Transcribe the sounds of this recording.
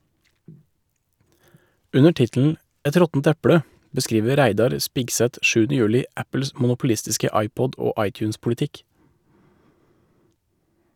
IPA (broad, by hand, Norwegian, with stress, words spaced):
ˈʉnə ˈʈɪtl̩n̩ ˈʔɛt ˈɾɔtn̩t ˈæpɽə bəˈskɾiːʋə ˈɾæɪdɑɾ ˈspɪɡsɛt ˈʃʉːnə ˈjʉːlɪ ˈʔæpl̩s mʊnʊpl̩ˈɪstɪskə ˈɑɪˌpɔd ˈoː ˈʔɑɪˌtjʉːnspʊlɪˌtɪk